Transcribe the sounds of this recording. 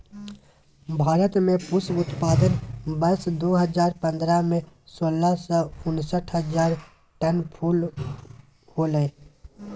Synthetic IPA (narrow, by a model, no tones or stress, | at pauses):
bʱaːɾət̪mẽpʊsbʊt̪paːd̪ənbəɾsd̪oːɦəzaːɾpə̃nd̪ɾamẽsoːlasɔːʊnsəʈʰɦəzaːɾ | ʈənpʰuːl | hoːləe